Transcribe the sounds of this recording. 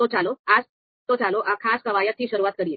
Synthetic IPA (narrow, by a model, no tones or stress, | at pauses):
ot͡ɕaload͡z | t̪ot͡saloʔãkʰaskəʋajət̪ɦiːɕəɾuʋat̪̚kəɽiːl